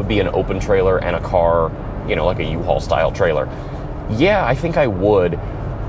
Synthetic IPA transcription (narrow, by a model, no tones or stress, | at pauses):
əd̚biɨ̃no̰ʊpntʰɹ̥eɪlˠə˞ʔɨ̰̃ɾ̃ɨkʰɑɹ | jɨnoʊlaɪkɨjʉɦɔ̰lˠsta̰ɪlˠtʰɹ̥eɪlˠə̰˞ | jæaɪθɪ̃ŋkaɪwəd